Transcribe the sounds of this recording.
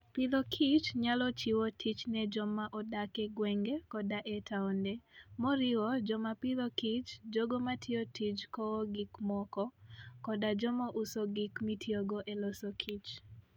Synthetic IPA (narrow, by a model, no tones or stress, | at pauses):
pɪðɔkʰit͡ʃɲalɔt͡ʃiwotʰit͡ʃnɛd͡ʒɔmaʔɔdakɛɡwɛŋɡekɔdaʔɛtʰaɔndɛmɔɾɪwɔd͡ʒɔmapɪðɔkit͡ʃd͡ʒoɡomatʰiotʰit͡ʃkɔɡikmɔkɔkɔdad͡ʒɔmɔʔʊsoɡikmitʰjoɡɔʔɛlɔsokʰit͡ʃ